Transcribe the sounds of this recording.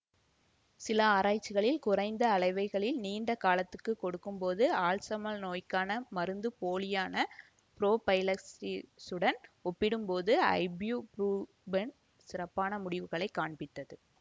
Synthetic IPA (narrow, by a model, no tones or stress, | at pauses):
sɪlɐaːɾaːt͡ʃːɪɣɐɭɪlkʊrɐɪnd̪ɐːɭɐɪʋɐɪɣɐɭɪlniːɳɖɐkaːlɐt̪ːɯkːɯkːɔɽɯkːɯmpoːðɯaːɭsɐmɐlnoːjkːaːnɐmɐɾɯnd̪ɯpoːlɪjaːnɐ | pɪɾoːpɐjlɐsisɯɽɐnɔpːɪɽɯmpoːðɯɐ̰ɪbjuːpɾuː | bɐn | sɪrɐpːaːnɐmʊɽɪʋɯɣɐɭɐɪkːaːɳbɪʈ̪ːɐðɯ